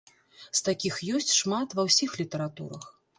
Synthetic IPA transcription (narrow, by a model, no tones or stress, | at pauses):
st̪akʲixjɔsʲt͡sʲʂmat̪vɐwsʲixlʲit̪ɐɾat̪ṵɾɐx